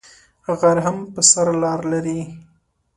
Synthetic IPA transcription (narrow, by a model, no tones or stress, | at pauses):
ɣaɾɦampəsaɾlɑɾlaɾi